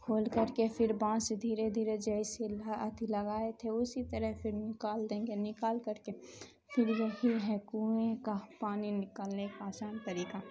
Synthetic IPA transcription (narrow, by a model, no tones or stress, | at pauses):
kʰoːlkəɾkepʰɪɾbãːsed̪ʱiːɾed̪ʱiːɾed͡ʒɐiselaət̪iləɡaːet̪ʰeʊsit̪əɾəɦpʰɪɾnɪkaːld̪ẽːŋɡenɪkaːlkəɾke | pʰɪɾjəɦiɦɛ̃kuẽkapaːninɪkaːlnekaːsaːnt̪əɾiːka